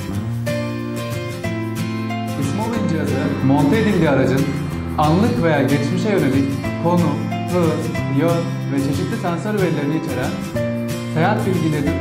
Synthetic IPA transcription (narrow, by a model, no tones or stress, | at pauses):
uʃmalˠujind͡ʒijazɯmo̞nt̪ʰed̪inʲd̪iaɾad͡ʒɯn | anlˠɯkve̞jaːɟet͡ʃmiʃejøɾemic | kʰːo̞nu | hɯ | joɾ | vɛt͡ʃʰe̞ʃit̪lʲisænsoɾveɾlʲe̞ɾiniit͡ʃʰe̞ɾæn | sejat̪bilʲɟilʲe̞ɾini